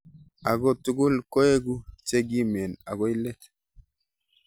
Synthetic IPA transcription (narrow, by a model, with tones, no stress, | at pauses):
a˨ɡɔ˦tu˦ɡu˦lko˦e˦ɡu˦t͡ʃe˦ɡi˦me˨na̰˨ɡo˦i˦lɛ˦t̪